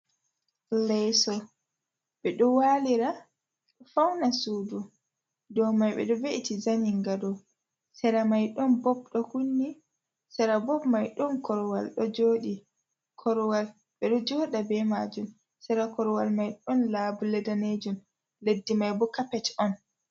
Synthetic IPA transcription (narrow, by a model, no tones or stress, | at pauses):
lɛsɔ | ɓɛɗɔwaliɾa | ɗɔfawnasuːdu | dɔmajɓɛ̰ɗɔveʔitizamiŋɡadɔ | sɛɾamajɗɔnbɔb̚ɗɔhunːi | sɛɾabɔbmajɗɔnkɔɾɔwalɗɔd͡ʒoːɗi | kʰɔɾwal | ɓɛɗɔd͡ʒɔːɗabɛmaːd͡ʒum | sɛɾakɔɾwalmajɗɔnlaːbulɛdaned͡ʒum | ledːimajbɔkapɛtɔn